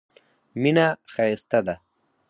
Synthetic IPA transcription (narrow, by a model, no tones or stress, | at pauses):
minaxaest̪ad̪a